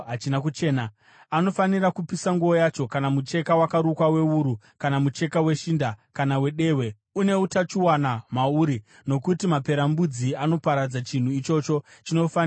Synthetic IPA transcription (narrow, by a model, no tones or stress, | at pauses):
ɦat͡ʃinakut͡ʃe̞ːna | ano̞fanirakupisaŋɡuo̞jat͡ʃo̞kanamut͡ʃe̞kawakaɾukwawe̞uːɾu | kanamut͡ʃe̞kawe̞ʃindakanawe̞ɗe̞ːwe̞ | une̞utat͡ʃuwanamauɾi | no̞kutimape̞ɾambud͡ziano̞paɾad͡zat͡ʃin̤uit͡ʃo̞t͡ʃo̞t͡ʃino̞fan